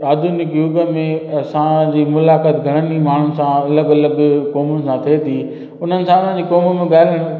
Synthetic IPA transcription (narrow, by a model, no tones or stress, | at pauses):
aːd̪ʱunɪkjʊɡə̆mẽɐsãd͡ʑiːmʊlaːkaːt̪ɡʱɐɽ̃ənimaːɳ̤ʊnsãɐləɡɐləɡkɔːmʊnɪ̆sãt̪ʰet̪ʰiː | ʊn̤ənɪ̆sãʊn̤ə̃nd͡ʑiːkɔːməmẽɡaːɪləɽ̃